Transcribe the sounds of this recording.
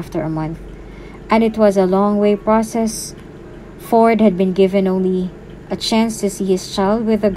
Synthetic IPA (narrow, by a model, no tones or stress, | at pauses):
ft̪əɹəmʌ̃nθ | ʔɛ̃nɨt̪wʌzɐlɔ̃ŋweɪpɹɔsɛs | fɔɹd̪̚hɨd̪̚bɨ̃nɡɪvɨ̃nõʊ̃nli | ʔɐt͡ʃæ̃nst̪ɨsihɪst͡ʃaɪlˠd̪̚wɪðəɡ